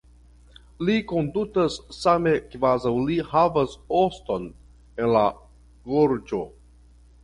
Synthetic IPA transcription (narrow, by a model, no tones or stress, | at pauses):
liko̞ndutasːame̞kvazawlihavasosto̞n | e̞nla | ɡoɾd͡ʒo̞